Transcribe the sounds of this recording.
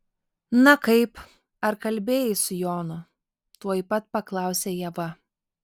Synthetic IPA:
nɐkɐɪp | ɐɾkɐlʲbʲeːjɪsʊjoːnʊ | t̪uɔjpɐt̪̚pɐklˠɑˑʊsʲeːjɛʋɐ

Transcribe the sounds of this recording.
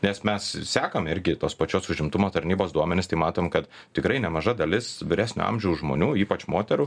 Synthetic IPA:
nʲɛsmʲɛssʲæːkɐmɪɾʲɡʲɪt̪oːspɐt͡ʃʲoːsʊʒʲɪmt̪ʊmoːt̪ɐɾʲnʲiːboːsd̪uɔmʲɛnʲɪst̪ɐɪmɑːt̪oːmkɐt̪ | t̪ʲɪkɾɐɪnʲɛmɐʒɐd̪ɐlʲɪsʋʲɪɾʲæːsʲnʲʊ̰ɐ̰mʲʒʲɛʊʒmo̰ːnʲuːiːpɐt͡ʃmoːt̪ʲɛɾu

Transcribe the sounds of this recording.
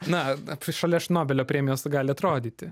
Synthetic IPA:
nɐʃɐlʲɛʃnoːbʲɛlʲoːpʲɾʲeːmʲɪjoːsɡɑːlʲɪɐt̪ɾoːd̪ʲiːt̪ʲɪ

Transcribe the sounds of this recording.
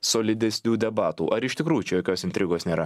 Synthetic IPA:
soːlʲɪd̪ʲɛsʲnʲuːd̪ʲɛbɑːt̪ṵʔɐɾɪʃʲt̪ʲɪkɾuːjut͡ʃʲɛjoːkʲoːsɪnʲt̪ʲɾʲɪɡoːsnʲeːɾɐ

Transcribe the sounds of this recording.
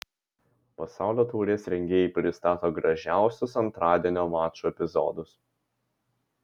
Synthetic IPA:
pɐsɑˑʊlʲoːt̪uːɾʲeːsɾʲɛŋʲɡʲeːjɛɪpʲɾʲɪst̪ɑːt̪oːɡɾɐʒʲæˑʊsʲʊsɐnt̪ɾɑːd̪ʲiɛnʲoːʋɑːt͡ʃuɛpʲɪzɔ̰ːd̪ʊs

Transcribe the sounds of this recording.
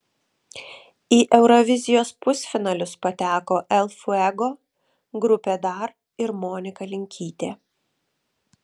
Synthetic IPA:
iːʔɛʊɾɔʋʲɪzʲɪjoːspʊsʲfʲɪnɐlʲʊspɐt̪ʲæːkoːʔɛlˠfʊɛɡoː | ɡɾʊpʲeːd̪ɑːɾ | ɪɾmoːnʲɪkɐlʲɪŋʲkʲʰiːt̪ʲeː

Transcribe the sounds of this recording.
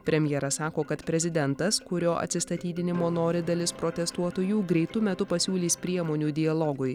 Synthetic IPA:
pʲɾʲɛmʲjɛɾɐsɑːkoːkɐt̪pʲɾʲɛzʲɪd̪ʲɛnt̪ɐskʊɾʲoːʔɐ̰t̪ʲsʲɪst̪ɐt̪ʲiːd̪ʲɪnʲɪmoːnoːɾʲɪd̪ɐlʲɪspɾoːt̪ʲɛst̪uɔt̪oːjuːɡɾʲɛɪt̪ʊmʲɛt̪ʊpɐsʲuːlʲiːspʲɾʲiɛmoːnʲuːd̪ʲɪɐlˠɔɡʊj

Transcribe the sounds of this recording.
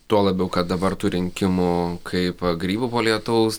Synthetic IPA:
t̪uɔlˠɐbʲɛʊkɐt̪̚d̪ɐbɐrt̪uːɾʲɪŋʲkʲɪmʊkʰɐɪpɡɾʲiːbʊpoːlʲiɛt̪ɐʊs

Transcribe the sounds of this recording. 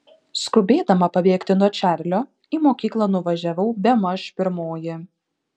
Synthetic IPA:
skʊbʲeːd̪ɐmɐpɐbʲeːkt̪ʲɪnuɔt͡ʃʲæˑɾʲlʲoː | iːmoːkʲiːklˠɐnʊʋɐʒʲæʋɐʊbʲɛmɐʃpʲɪɾmoːjɪ

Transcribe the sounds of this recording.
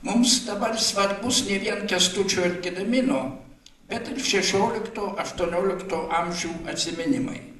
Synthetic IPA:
mʊmsd̪ɐbɐrsʋɐɾbʊsnʲɛʋʲiɛnkʲɛst̪ʊt͡ʃʲoːɪɾʲkʲɪd̪ɐmʲɪnoː | bʲɛt̪ɪrʃʲɛʃʲoːlʲɪkt̪oːʔɐʃt̪uɔnʲoːlʲɪkt̪oːʔɐmʲʒʲuːɐt̪ʲsʲɪmʲɪnʲɪmɐ̰ɪ

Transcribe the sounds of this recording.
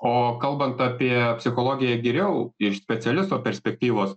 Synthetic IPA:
oːkɐlˠbɐnt̪ɑpʲiɛpʲsʲɪxoːlˠoːɡʲɪjɛɡʲɛɾʲɛʊɪʃsʲpʲɛt̪sʲɛlʲɪst̪oːpʲɛɾʲsʲpʲɛk̚t̪ʲiːʋoːs

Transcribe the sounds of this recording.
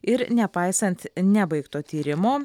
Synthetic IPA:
ɪɾnʲɛpɐɪsɐnt̪nʲɛbɐɪkt̪oːt̪ʲiːɾʲɪmoː

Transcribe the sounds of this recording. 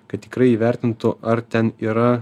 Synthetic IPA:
kɐt̪̚t̪ːʲɪkɾɐɪiːʋʲæˑɾʲt̪ʲɪnt̪ʊʔɐɾt̪ʲɛniːɾɐ

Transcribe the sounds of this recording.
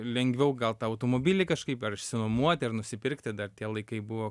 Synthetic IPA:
lʲɛŋʲɡʋʲɛʊɡɐlˠt̪ɑɐʊt̪oːmoːbʲiːlʲɪkɐʃkɐɪpɐɾɪʃʲsʲɪnomuɔt̪ʲɐrnʊsʲɪpʲɪrkt̪ʲɪd̪ɐrt̪ʲiɛlˠɐɪkɐɪbʊʋoː

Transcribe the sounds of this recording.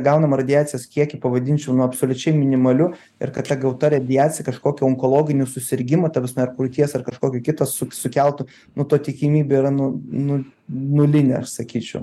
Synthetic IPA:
ɡɐʊnɐmɐrɐd̪ʲɪaːt͡s̪ʲɪjɛskʲiɛkʲɪpɐʋɐd̪ʲɪnʲt͡ʃʲɛʊnuɐpsoːlʲʊt͡ʃʲɛɪmʲɪnʲɪmɐlʲʊ | ɪ̰rkɐt̪t̪ʲɐɡɐʊt̪ɐɾʲɛɐd̪ʲɪjɑːtt͡sʲɪjɛkɐʃkoːkʲɛɔŋkolˠoːɡʲɪnʲʊsʊsʲɪɾʲɡʲɪmɐt̪ɐʋʲɪsmɐɐrkɾʊt̪ʲiɛsɐrkɐʃkoːkʲɛkʲɪt̪ɐssʊsʊkʲɛlˠt̪ʊ | nʊt̪oːt̪ʲɪkʲɪmʲiːbʲeːɪɾɐnʊnʊnʊlʲɪnʲḛɐʃsɐkʲiːt͡ʃʲɛʊ

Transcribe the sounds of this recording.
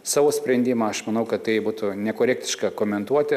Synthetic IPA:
sɑːʋoːsʲpʲɾʲɛnʲd̪ʲimɐɐʃmɐnɐʊkɐt̪t̪ɐɪbuːt̪ʊnʲɛkoːɾʲɛk̚t̪ʲɪʃkɐkoːmʲɛnt̪uɔt̪ʲɪ

